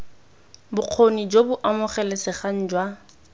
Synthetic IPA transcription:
bʊq͡χʰonid͡ʒobʊʔamʊχɛlɛsɪχan̩d͡ʒwa

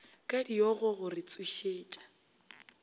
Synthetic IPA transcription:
kʼadioɣʊɣʊrɪt͡sʼuʃeːt͡ʃʼḁ

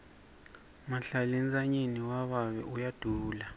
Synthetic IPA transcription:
maɬalind͡zaɲiniwaβaβɛʔujad̥ʱuːla

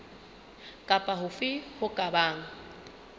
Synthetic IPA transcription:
kʼapʼaɦʊfɪhʊkʼabaːŋ̩

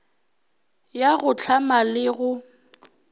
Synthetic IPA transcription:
jaɣʊt͡ɬʰamalɪɣʊ

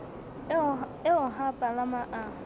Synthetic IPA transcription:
ɪʊɦapʼalamaʔa

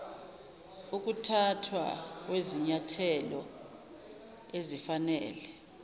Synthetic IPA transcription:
uk̬ʼutʰatʰwa̰k̬weziɲatʰɛlɔ̰ | ezifanɛ̰ːlɛ

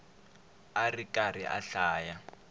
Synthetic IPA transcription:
arikʼariʔa̰ɬaːja

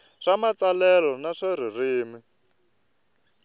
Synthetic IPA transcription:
ʂamat͡salɛlɔnaʂaririːmi

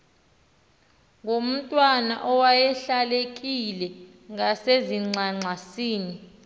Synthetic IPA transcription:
ŋʱom̩tʼwana̰ʔɔwajɛɬalekʼilɛ | ŋaseziŋ͡ǀʱaŋ͡ǀʱasiːni

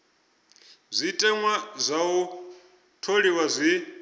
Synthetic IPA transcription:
zʷitʼɛŋwazʷau | tʰoɺiwazʷi

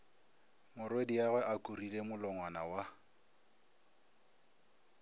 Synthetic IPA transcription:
mʊrwediaɣwɛʔakʼurilemʊlɔŋwanawa

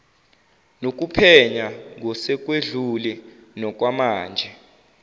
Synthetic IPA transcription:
nok̬ʼupʰɛɲaŋʱɔsɛk̬weɮulɛnɔk̬wamaːnd͡ʒʱɛ

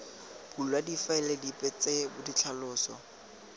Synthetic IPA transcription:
bullwadifaɛledipʼɛt͡sebʊdit͡ɬʰalʊːsɔ̰

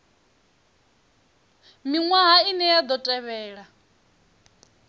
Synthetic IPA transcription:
miŋwaɦainɛjad̪ɔtʼɛβɛːɺa

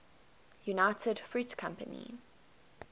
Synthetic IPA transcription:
junaɪtʰədfɹʉːˑtkʰãmpə̰nḭ

